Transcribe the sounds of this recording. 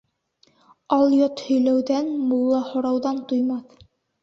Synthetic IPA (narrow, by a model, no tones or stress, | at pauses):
ɑlˠjot̪hɵ̆jlæwðænmulˠːɑhŏɾɑwðɑnt̪ujmɑθ